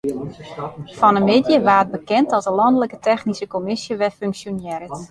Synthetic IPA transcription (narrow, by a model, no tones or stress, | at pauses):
fɔnəmedjəʋaːt̚bəkɛntɔlˠzəlɑndələkətʰɛxnisəkomɪsjəʋɛfyŋksjonjɛɾət